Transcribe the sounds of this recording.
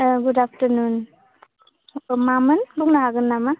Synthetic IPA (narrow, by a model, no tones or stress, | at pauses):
ɡudap̚tənun | mamɯnbuŋnaɦaɡɯnːama